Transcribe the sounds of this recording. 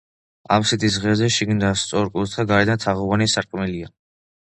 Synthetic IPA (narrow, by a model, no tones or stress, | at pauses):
a̰psit̪ʼis̬ʁɛzɛʃiɡnd̪ast̪sʼɔɾkʼult̪ʰaɡaɾɛd̪ant̪ʰaʁɔvanisaɾqʼmilia